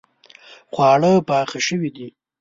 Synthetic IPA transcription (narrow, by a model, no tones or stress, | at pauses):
xwɑɽəpɑːxaʃəwid̪i